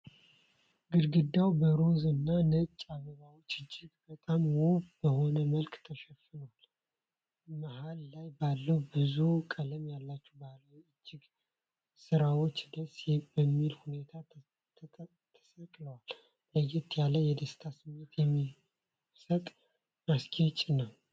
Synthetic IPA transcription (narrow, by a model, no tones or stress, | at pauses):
ɡɨɾɡɨd̪ːawbəɾozɨnːanət͡ʃʼaɡəβawo̞t͡ʃːɨd͡ʒːɪɡbət̪ʼamwobəho̞nəməlkʼt̪ʰəʃɛfɨnəwal | mahalːajbalːəwbɨzukʼələmjalːat͡ʃːubaləwɨd͡ʒːɪɡ | sɨɾawo̞t͡ʃːd̪əsjbəmːilhune̞t̪ʰa | t̪ʰ | t̪ʰə̥səkʼləwal | ləjɪt̪ʰjalːəjɛd̪əst̪ʰasɨmːet̪jɛmːi | sət̪ʼ | askʰʼet͡ʃʼnəw